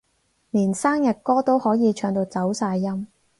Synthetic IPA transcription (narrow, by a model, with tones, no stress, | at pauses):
niː˨˩nsaː˥ŋjɐ˨t̚kɔː˥t̪o˥whɔː˨˥jiː˨˧t͡ʃʰœː˨˧ŋt̪o˧wt͡sɐ˨˥wsaː˧jːɐ˥m